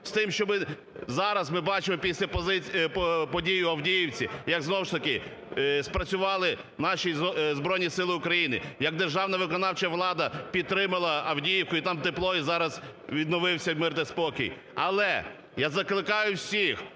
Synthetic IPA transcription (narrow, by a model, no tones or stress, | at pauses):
st̪ɪmʃt͡ʃɔmɪ | zɑɾɐzmɪbɑt͡ʃɪmɔpʲisʲlʲɐpɔɪppɔdʲijʊɐwdʲijiwt͡sʲijɐɡznɔwʊʃt̪ɐkɪ | spɾɐt͡sʲʊʋɑlˠɪ | nɑʃʲizbɾɔjnʲisɪlˠɪʊkɾɐjinɪjɐɡ̚d̪erʒɑwnɐʋɪkɔnɑwt͡ʃɐʋlˠɑd̪ɐpʲid̪̚t̪ɾɪmɐlˠɐɐwdʲijiwkʊit̪ɑmt̪eplˠɔjizɑɾɐzʋʲid̪nɔʋɪwsʲɐmɪrt̪ɛspɔkʲḭj | ɐlˠɛ | jazɐklˠɪkɑjʊwsʲix